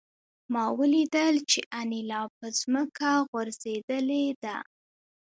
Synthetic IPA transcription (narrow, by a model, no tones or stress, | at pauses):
mɑwəlid̪əlt͡ʃeʔanilɑpəzməkaɣwəɾz̥ed̪əled̪a̰